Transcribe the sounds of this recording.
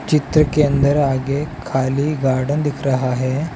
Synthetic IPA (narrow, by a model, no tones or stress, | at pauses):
t͡ɕit̪ɾəkend̪əɾaɡekʰaliːɡaɾɽənd̪ikʰɾaɦaɦe